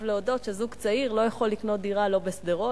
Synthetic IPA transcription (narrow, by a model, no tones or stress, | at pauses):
vleodo̞tʃezuɡt͡saiʁlo̞jaχo̞lːiknot̪̚d̪iʁalo̞besd̪eʁo